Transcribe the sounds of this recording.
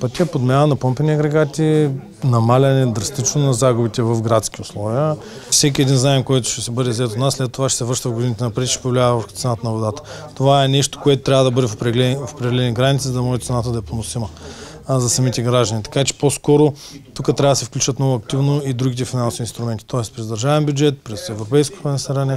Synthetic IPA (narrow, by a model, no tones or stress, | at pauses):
pɐt̪ʲiɛpod̪mʲɛnənɐpɤmpɛnʲiɐɡɾɛɡat̪i | nɐmalʲɐnɛd̪ɾɐst̪it͡ʃnonɐzaɡʊbit̪ɛvɐfɡɾat̪sk̟ʲiʊslˠɔviə | sɛk̬ʲiɛd̪inzaɛmkojt̪ʊ̥ʃt̪ɛsɛbɤd̪ɛzɛt̪ot̪naslɛt̪ːovaʃɛ̥sɛvəɾʃt̪əvɡod̪init̪ɛnɐpɾɛd̪iʃɛ̥povlʲat̪sɛnat̪ənɐvod̪at̪ə̥t̪ovaɛnɛʃt̪o̥koɛt̪ʊt̪ɾʲavəd̪ɐbɤd̪ɛɾɛlɛfo̥pɾɛd̪ɛlɛniɡɾanit̪sizɐd̪ɐmɔʒɛt̪sɛnat̪əd̪ɐɛponʊsimɐ | zɐsɐmit̪ɛɡɾaʒd̪ənit̪ɐ̥kat͡ʃɛ̥poskɔɾo | t̪ukət̪ɾʲavd̪sɛfklʲut͡ʃvɐt̪nɔvʊɐk̚t̪ivnoid̪ɾuɡit̪̬ɛfinansovinst̪ɾʊmɛnt̪i̥t̪ɔɛspɾɛzd̪ɐɾʒavɛmbʲjʊd͡ʒɛt̪̚pɾɛsɛvɾopɛjsko̥pɐnɛsɐɾanɛ